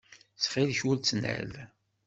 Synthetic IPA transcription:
sχilçult͡sːnə̰l

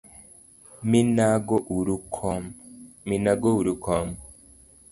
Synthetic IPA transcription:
minaɡoʔuɾukʰomminaɡouɾukomo

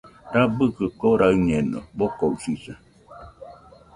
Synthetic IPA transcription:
ɾabɯkɨkoɾaɯɲeno̰bokousisa

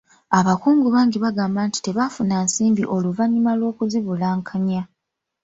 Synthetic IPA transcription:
aβakuːŋɡuβaːŋɡiβaɡaːmbaːnti̥te̞βafunansiːmbiʔo̞luvaɲimalwo̞ːkuziβulaːŋkʰaɲa

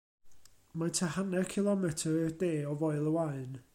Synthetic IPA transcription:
matʰahanɛrkʰɪlˠɔmɛtʰərɪrdeːɔvɔɨlˠəwaɨn

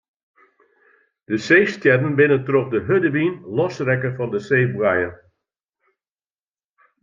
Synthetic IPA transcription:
d̥əseːstjɛdənbɪnəntɾɔpdəɦødəʋinlɔsrɛkəfɑndəseːbuɛjə

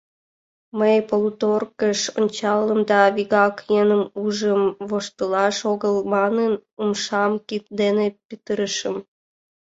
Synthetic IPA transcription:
məjpolut̪orkəʃonʲt͡ɕɑlːəmd̪ɑβiɣɑkjenəmuʒəmβoʃt̪əlɑʃoɣəlmɑnənumʃɑmkit̪̚d̪enepit̪əɾəʃəm

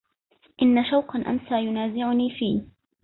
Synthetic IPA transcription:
ʔɪnːaʃawqɑnʔa̰msaːjʊnaːzɪʕʊniːfiː

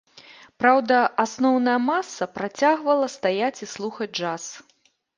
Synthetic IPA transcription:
pɾawd̪ɐasnɔwnɐjɐmasːɐpɾat͡sʲaɣvɐlˠɐst̪ajat͡sʲislˠuxɐd͡zʲd͡ʐas

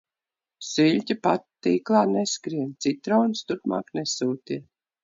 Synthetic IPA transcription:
siʎʲtʲipat̪ːiːklˠaːneskɾiɛnt̪sit̪ɾawnst̪uɾpma̰ːknesuːt̪iɛ

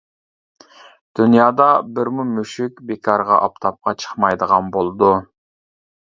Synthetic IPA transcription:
d̪̥ynjɑːd̪ɑbɪɾmumyʃykʲbekʰɑɾʁɑ̰ʔɑp̚t̪ʰɑp̚qʰɑt͡ʃʰə̥χmɑjd̪əʁɑnbolˠɨd̪u

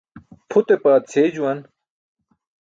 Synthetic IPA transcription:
pʰut̪epaːt̪t͡sʰeːd͡ʑuwɐn

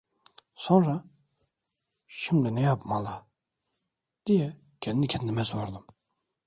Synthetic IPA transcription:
sonɾa | ʃimlɛnɛjapmalˠa | d̪̥ijɛ | cʰɛnnicʰɛnːimɛsoɾd̪ɯm

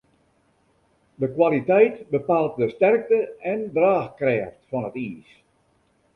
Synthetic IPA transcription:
dəkwalitɛjtbəpalˠt̚dəstɛrk̚təɛndraːxkrɛːftfɔnətiːs

